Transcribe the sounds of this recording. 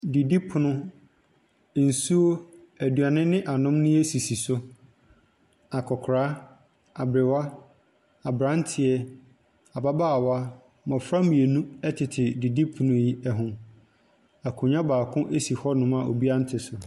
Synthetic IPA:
di˨di˦pʰʊ˨nʊ̃˦˨ | n̩˨su˦o˦ | æ˨du˨a˨nɪ̃˦nɪ̃˦ʔa˨nʊ̃˦mnɪ̃˦e˦si˨si˨sʊ˦ | a˨kʰɔ˨kʰɾaː˦ | a˨bɾɪ˨wa˦ | a˨bɾã˦n˦tʰɪ˨ɛ˦ | a˨ba˦baː˦a˨wa˦ | mɔ̃˨fɾã˦mĩ˨e˨nũ˦ɛ˦tʰɪ˨tʰɪ˨di˨di˦pʰʊ˨nʊ̃˦ji˦ɛ˦ɦʊ̃˨ | a˨kʰʊ̃˨ɲã˦baː˨kʰʊ̃˦ʔe˦si˨hɔ˦nʊ̃˨ma˨o̰˨bi˦a˦n̩˦tʰɪ˨sʊ˨

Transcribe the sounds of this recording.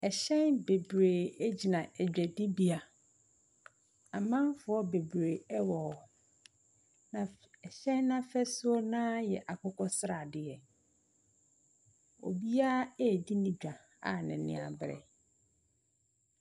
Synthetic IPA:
ɛ˨ɕɛ̃˦nbe˨bɾe˨æ˦d͡ʑi˨nã˨ɛ˨d͡ʑᶣɛ˨dɪ˦bi˦a˨ | a˨mã˦fʊ˨˦ɔ˦be˨bɾe˨ɛ˦wɔ˨ | nã˨ | ɛ˨ɕɛ̃˦nːã˦fɛ˦sʊ˦ɔ˦nãː˦jɛ˨ʔa˨kʰɔ˦kʰɔ˦sɪ˦ɾa˨dɪ˨ɛ˨ | o̰˨bi˦a˦ɛ˦˨di˦nĩ˦d͡ʑᶣa˨ | a̰˨nɪ̃˨nɪ̰̃˦˨a˨bɾɛ̰˨

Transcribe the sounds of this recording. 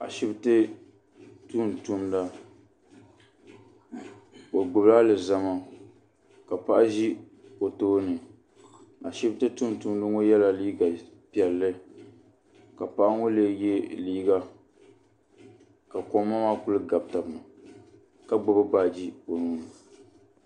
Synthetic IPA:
a̰˨ʃɪ˦btɨ˦ | tuː˦˨n˨tu˦mda˦ | o˨ɡ͡bʊ˨bla˦lɨ˨za˦ma˦ | ka˨pa˨ʔa˦ʒi˦ | o˨toː˦nɨ˨ | a˨ʃɪ˦btɨ˦tu˦n˨tu˦mdɨ˦ŋo˦jɛ˦la˦liː˦ɡa˨pɛ˨lːɨ˦ | ka˨pa˦ʔŋo˦le˦je˦liː˦ɡa˦ | ka˨ko˨m˦mːa˦ma˦kʊ˦lɨ˦ɡa˨b̚ta˨bɨ˨nɨ˨ | ka˦ɡ͡bʊ˨bɨ˦baː˦d͡ʒi˦o˨nuː˦nɨ˨

